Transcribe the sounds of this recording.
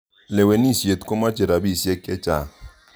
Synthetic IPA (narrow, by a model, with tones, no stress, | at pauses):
le˨we˨ni˦˨sje˨t̪ko˦ma˦t͡ʃe˨ɾa˨bi˦˨sjɛ˦kːɛ˦t͡ʃa̰˨